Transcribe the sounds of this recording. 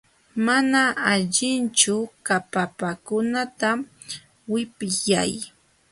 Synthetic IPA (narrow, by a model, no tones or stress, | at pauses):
manaaʎɪnt͡ʃʊkapapakʊnat̪a | wɪpɪja̰j